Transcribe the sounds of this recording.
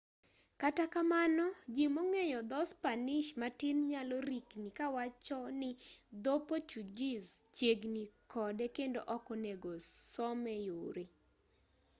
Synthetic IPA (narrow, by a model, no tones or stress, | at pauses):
katakamanɔd͡ʒimoŋejɔd̪ɔspanɪʃmatɪnɲaloɾiknikawat͡ʃɔnɪd̪opot͡ʃud͡ʒizt͡ʃjeɡnikʰɔdɛkendo̰ʔɔkɔneɡosɔmɛjoɾe